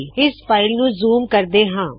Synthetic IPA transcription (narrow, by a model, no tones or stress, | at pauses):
ɪspaːɪlnũːzuːmkəɾd̪eːɦãː